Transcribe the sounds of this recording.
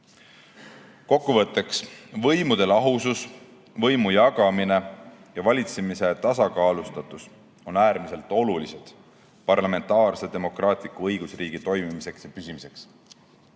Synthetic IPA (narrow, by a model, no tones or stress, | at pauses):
ko̞kːuvɤt̪ːˑe̞ksvɤ̞jmud̪̥e̞lɑɦusus | vɤ̞jmujɑɡɑmine̞jɑvɑlʲit̪semise̞t̪ɑsɑkɑːlust̪ɑt̪ˑus | o̞næːɾmise̞lt̪ˑo̞lulise̞d̪̥ | pɑrlɑme̞nt̪ˑɑːrse̞d̪e̞mo̞krɑːt̪ˑlikːuɤjɡ̥usriːɡ̥it̪o̞jmimise̞ksjɑpysʲimise̞ks